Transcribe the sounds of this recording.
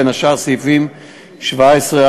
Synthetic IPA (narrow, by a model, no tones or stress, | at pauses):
enaʃaʁsifim | ʃvaesʁea